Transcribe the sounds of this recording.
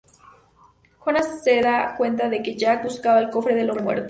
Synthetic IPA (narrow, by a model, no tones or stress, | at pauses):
konasseðakwe̞nt̪̬aðe̞ke̞ʝakuskaβaelko̞fɾe̞ðe̞losmwe̞̰ɾt̪o